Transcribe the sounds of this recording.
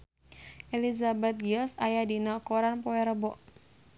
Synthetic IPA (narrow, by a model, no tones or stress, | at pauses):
ʔelizabɛt̪̚ɡiɔsajadinakoɾanpoɛɾəbɔʔ